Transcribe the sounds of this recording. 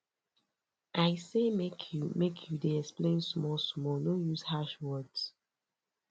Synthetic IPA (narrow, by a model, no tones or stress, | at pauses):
ʔaɪsemekʰjumekʰjudeɛksplẽnsmɔlsmɔlnojuzhaʃwɜds